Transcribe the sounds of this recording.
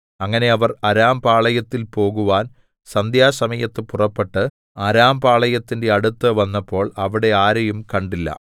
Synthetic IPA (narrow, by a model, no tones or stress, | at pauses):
ɐŋːɐne̞ɐʋɐrɐɾaːmbaːɭɐjɐt̪ːilpo̞ːɣuʋaːn | sɐnd̪ʱjaːsɐmɐjɐt̪ːɨpurɐpːe̞ʈːɨ | ɐɾaːmbaːɭɐjɐt̪ːinde̞ɐɽut̪ːɨʋɐnːɐpːo̞ːɭɐʋiɽe̞aːɾɐjumkɐɳɖilːɐ̰